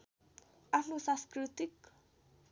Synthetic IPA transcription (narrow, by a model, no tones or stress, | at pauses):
anusaskɾit̪ik